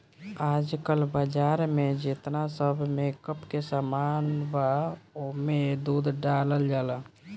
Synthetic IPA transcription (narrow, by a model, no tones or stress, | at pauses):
ad͡ʒkəlbəd͡ʒaɾmed͡ʒɪt̪nasəbʱmekəpkesamanbaomed̪ud̪ʱɖaləld͡ʒalə